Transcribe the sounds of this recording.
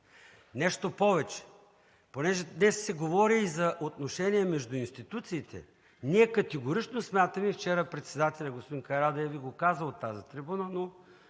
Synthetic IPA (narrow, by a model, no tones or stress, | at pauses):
nɛʃt̪opɔvɛt͡ʃɛ̥ | ponɛʒɛd̪nɛsːɛɡovɔɾiːzɐʔot̪noʃɛniɛmɛʒd̪ʊinst̪it̪ut̪siːt̪ʰɛ̰ | niɛkɐt̪ɛɡoɾit͡ʃnosmʲjat̪əmift͡ʃɛɾəpɾɛt̪sɛd̪at̪ɛlʲɐɡospod̪inkɐɾad̪ɐɛviɡokazət̪ːazit̪ɾibunəno